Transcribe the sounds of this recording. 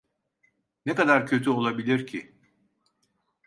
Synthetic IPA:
nekad̪aɾcʰø̞t̪ʰyo̞lˠabilʲiɾcʰi

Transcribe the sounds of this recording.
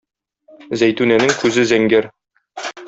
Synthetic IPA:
zæjt̪ʉnænɘŋkʉzɘzæŋɡæɾ

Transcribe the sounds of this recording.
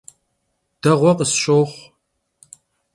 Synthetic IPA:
d̥ɐʁʷɔqəsɕʼoːχʷ

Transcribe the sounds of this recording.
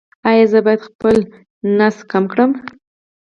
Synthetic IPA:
ɑjɑzəbɑjad̪xpəl | naskamkɽəm

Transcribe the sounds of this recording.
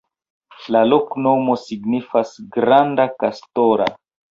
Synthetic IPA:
lalokno̞mo̞siɡnifasɡɾandakastoɾa̰

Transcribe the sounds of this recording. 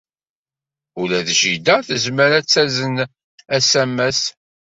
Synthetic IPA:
ʊlæðʒid̪əθəzməɾæt͡sːæzən | æsæmːæs

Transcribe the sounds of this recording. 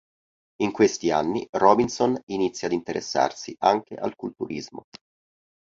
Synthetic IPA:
iŋkwest̪ianːirɔbinsoninit̪sːjaːd̪int̪eɾʔesːa̰rsiʔaŋk̟ḛʔa̰lkult̪uɾʔizmo̰

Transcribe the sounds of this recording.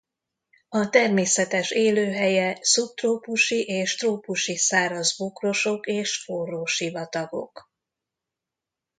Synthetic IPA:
ɒt̪ɛrmeːsɛt̪ɛʃeːløːɦɛjɛsup̚t̪roːpuʃiʔeːʃt̪roːpuʃisaːɾɒzbokro̞ʃo̞keːʃfoːrːoːʃivɒt̪ɒɡo̞̰k

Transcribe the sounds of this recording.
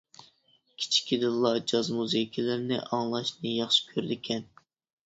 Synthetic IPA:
kʲʰi̥t͡ʃʰi̥kʲʰid̪ɨllːˠɑd͡ʒɑzmuzɨkʲʰilɪɾnɪ̰ʔɑŋlˠɑʃnɨjɑχʃi̥kʲʰøɾd̪ɪkʲʰɛn

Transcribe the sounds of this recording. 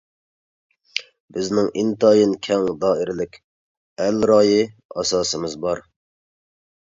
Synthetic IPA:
bɪznɪŋʔint̪ɑːjinkʲʰɛŋd̪ɑːɪɾɪlɪkʲ | ɛlɾɑːjɪɑ̰sɑːsɨmɨzbɑɾ

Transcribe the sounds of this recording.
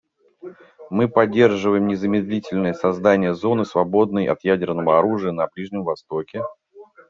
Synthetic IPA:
mɨpɐdʲːe̞rʐɨvəjɪmnʲɪzəmʲɪd̪lʲitʲɪlʲnəjəsɐzd̪anʲɪjəzo̞nɨsvɐbo̞d̪̚nəjʔɐ̰t̪jædʲɪrnəvəɐɾuʐɨjənɐblʲiʐnʲɪmvɐst̪okʲɪ

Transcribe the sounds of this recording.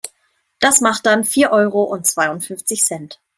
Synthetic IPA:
d̥asmaχt̚d̥anfiːɐʔɔʏʁoʔʊnt̚t͡sv̥aɪʊntfʏnft͡sɪçsɛnt

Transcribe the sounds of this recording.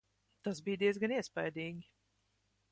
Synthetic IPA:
t̪asbiːd̪iɛzɡaniɛspajd̪iːŋʲ

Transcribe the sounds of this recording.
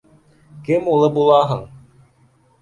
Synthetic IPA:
kɘmulˠɤbulˠɑɦɤɴ

